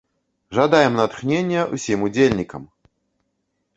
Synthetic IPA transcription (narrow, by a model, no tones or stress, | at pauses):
ʐad̪ajɛmnɐt̪xnʲenʲjɐʔṵsʲimud͡zʲelʲnʲikɐ̰m